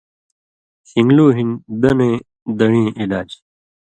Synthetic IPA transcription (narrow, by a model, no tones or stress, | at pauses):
sĩŋɡluːɦĩnd̪ɐnẽː | d̪ɐɳĩːʔilaːd͡ʑ